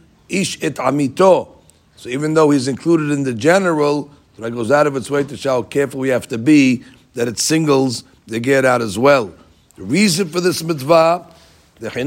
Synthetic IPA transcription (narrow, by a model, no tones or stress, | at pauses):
iʃɪtʰamitʰo | soʊivɨ̃nðoʊhizɨ̃nkʰl̥uɾɨɾɨ̃nðɨd͡ʒɛnə˞l̩ˠ | dəɾaɡoʊzaʊɾʌvɨtsweɪtɨʃakʰɛɹfl̩ˠwihæftɨbi | ðɨɾɨtsɪ̃ŋɡl̩ˠz | ɨɡɛɾaʊɾəzwɛlˠ | ðɨɹizɨ̃nfə˞ðɪsmɪtba | ðɨħin